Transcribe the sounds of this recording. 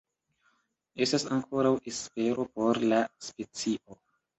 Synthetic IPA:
e̞stasaŋkʰo̞ɾawʔespe̞ɾo̞po̞ɾlaspe̞t͡siʔo̞

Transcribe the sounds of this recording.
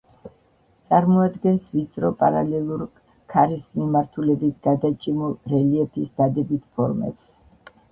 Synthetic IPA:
t̪sʼaɾmɔad̪ɡɛnsvit̪sʰʼɾɔpʼaɾalɛlˠuɾ | kʰaɾismimaɾt̪ʰulɛbit̪ʰɡ̥ad̪at͡ʃʼimulˠɾɛliɛpʰisd̪ad̪ɛbit̪ʰpʰɔɾmɛ̰ps

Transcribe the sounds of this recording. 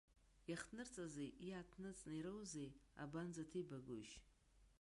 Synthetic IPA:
jaχnɨrt͡sʼazejiatʰnɨt͡sʼnɨɾowzeja̰banzatʰijbaɡo̰ʃ

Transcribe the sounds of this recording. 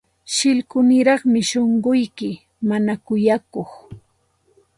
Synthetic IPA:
ʃɪlkʊnɪɾɑχmɪʃoɴɢʊjkɪ | manakʊjakoχ

